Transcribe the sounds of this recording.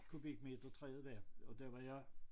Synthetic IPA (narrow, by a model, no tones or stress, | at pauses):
kʰub̥iɡ̥me̝d̥ɐt͡sʰʁɛ̰ːð̩ˠʋæɐɒ̽d̥æɐʋɑ̈jɑ̈